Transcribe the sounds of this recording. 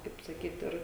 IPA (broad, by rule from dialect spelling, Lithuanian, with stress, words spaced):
kɐɪp sɐˈkʲiːt ˈɪr